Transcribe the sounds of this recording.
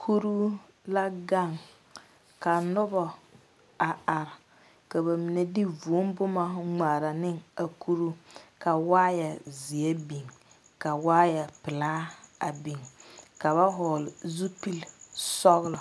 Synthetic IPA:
kʰu˦ɾu˦ | la˦ɡa˦˨ŋ | ka˨nʊ˦bɔ˨ | a˨a˨ɾɪ˨ | ka˨ba˨mi˨ne˨di˦vu˨˦m˦bʊ˦ma˦ŋ͡ma˨ɾa˨nɪ˦ŋa˨ku˦ɾu˦ka˨waː˦ja˨zi˨ɛ˦bi˨ŋ | ka˨waː˦ja˨pɪ˨laː˦a˨bi˨ŋka˨βa˦ɦʊ˨lɪ˨zu˦pi˦lsɔ˦ɣlɔ˨

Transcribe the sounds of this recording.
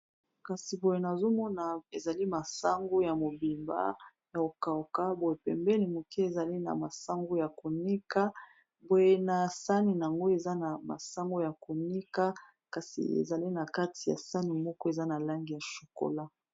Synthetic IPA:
ka˨si˨bo˨je˨˦na˨zo˦mɔ˦na˨e˨za˨li˦ma˨sa˦ŋɡo˦ja˨mo˨bi˨mba̰˦ | ja˨o˨ka˨o˨ka˦bo˨je˨pɛ̰˨mbɛ˦ni˨mo˨ki˦e˨za˨li˦na̰˨ma˨sa˦ŋɡo˦ja˨ko˨ni˦ka˦ | bo˨je˦na˨sa˦ni˨n˨a˨ŋɡo˦e˨za˦na˨ma̰˨sa˦ŋɡo˦ja˨ko˨ni˦ka˦ | ka˨sḭ˨ḛ˨za˨li˦na˨ka˦tʰi˨ja̰˨sa˦ni˨mɔ˦kɔ˦e˨za˦na˨la˦ŋɡi˨ja˨ʃo̥˨ko̰˨la˦

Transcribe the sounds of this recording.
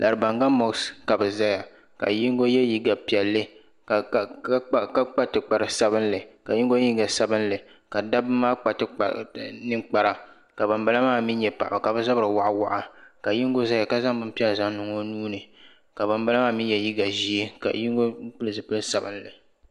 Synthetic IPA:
lʔa˨ɾɨ˨ba˨ŋɡa˦mɔ˨kska˨bɛ˨za˦ja˨ | ka̰˨ji˦ŋ˦ɡo˦jɛ˦ji˦ɡa˨pi˨ɛ˨lːɨ˦ | kka˦k͡pa˦tɨ˨k͡pa˨ɾɨ˨sa˦bɨ˦n˦lɨ˨ka˨ji˦ŋ˦ɡo˦ɲi˦ɡa˨sa˦bɨ˦n˦lɨ˨ | ka˨da˦bɨ˦maː˦k͡pa˨tɨ˨˦˨nɨ˦k͡pa˨ɾa˨ | ka˨ba˨mba˦la˦maː˦˨mi˦ɲɛ˨pa˨ʔa˨ka˨bɛ˦za˦bɾɨ˨wa˨ʔa˦wa˨ʔa˨ka˨ji˦ŋ˦ɡo˦za˦ja˨ka˦za˦ŋ˦bɨ˦m˦pi˦ɛ˦lza˦ŋ˦nʊ˨ŋo˦nuː˦nɨ˨ | ka˨ba˨mba˦la˦maː˦mi˦jɛ˨ji˦ɡa˨ʒi˦e˦ka̰˨ji˦ŋ˦ɡo˦k͡pɨ˦lɨ˦˨zɨ˨pɨ˦lɨ˦sa˨bɨ˦n˦lɨ̰˨

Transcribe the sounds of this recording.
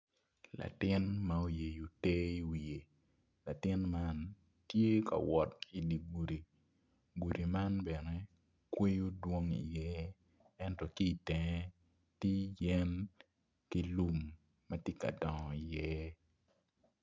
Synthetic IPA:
la̰˨tɪ˦nma˦o˦je˨jo˨te˦i˦wi˨e˨ | la˨tɪ˦nma˦n | tje˦ka̰˨wɔ˨t̚i˨di˨ɡu˨ɾi˨ | ɡu˨ɾi˨ma˦nbɛ˨nɛ˦ | kwe˦jo˦dwo˦ŋḭ˨jɛ˦ | ɛ˦ntɔ˦˨ki˦˨tɛ˨ŋɛ˦ | ti˦jɛ˦n | ki˦lu˦mː | ɐ˦tje˦ka̰˨dɔ˨ŋɔ˨i˨jɛ˦

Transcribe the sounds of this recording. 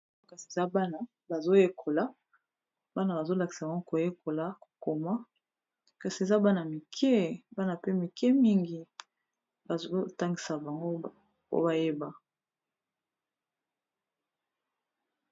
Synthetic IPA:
ka˨si˨e˨za˦ba˦na˦ | ba˨zo˦je˦kʰo˨la˦ | ba˦na˨ba˨zo˦la˨ki̥˨sa˨ba˨ŋɡo˦ko˨je˦kʰo˨la˨ko˨ma˦ | ka˨si˨e˨za˦ba˦na˨mi˨kʰɛ˦ba˦na˨pe˦mi˨kɛ˦mi˦ŋɡi˨ | ba˨zo˦ta˦ŋɡi˨sa˨ba˨ŋɡo˦ | o̰˦ba˨je˦ba˨

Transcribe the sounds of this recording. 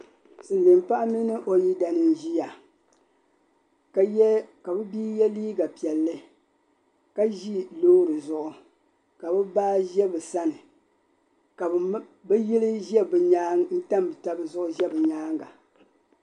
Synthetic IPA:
sɨ˨n˨dɨ˨mpa˦ʔa˦mi˦nɨ˦ʔo˨ji˦da˨nɨ˦nʒi˦a˨ | ka˦jɛ˦ka˨bɨ˦biː˦jɛ˦liː˦ɡa˨pi˨ɛ˨lːɨ˦ | ka˦ʒi˦loː˦ɾɨ˨zʊ˨ʔʊ˨ | ka˨bɨ˦baː˦ʒɛ˦bɨ˨sa˦nɨ˨ | ka˨˦ | bɛ˦ji˦lɨ˦ʒɛ˦bɨ˨ɲaː˦ŋ˦n̩˦ta˦mbɨ˨ta˦bɨ˦zʊ˦ʔʊ˦ʒɛ˦bɨ˨ɲaː˦ŋɡa̰˨

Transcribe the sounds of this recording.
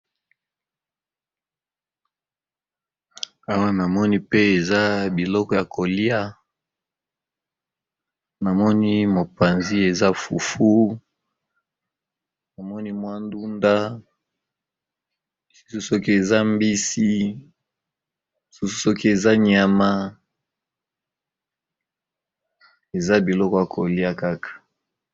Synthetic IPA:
a˦wa˦na˨mɔ˦ni˦pe˦e˨za˦bi˨lɔ˦kɔ˦ja˨ko˨li˦a˦ | na˨mɔ˦ni˦mo˨pa˨nzi˦e˨za˦fṵ˨fu˦ | na˨mɔ˦ni˦mwa˦ndu˦nda˦ | i˨su̥˦su˦so˦ki˦e˨za˦mbi˦si˦˨ | su˦su̥˦so˦ki˦e˨za˦ɲa˨ma˦ | e˨za˦bi˨lɔ˦kɔ˦ja˨kʰo˨li˦a˦ka˦kḁ˨

